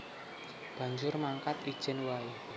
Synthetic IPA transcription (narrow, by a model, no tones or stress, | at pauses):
b̥ä̤ɲd͡ʒʊrmaŋkat̪id̥ʒ̥ɛ̤nwai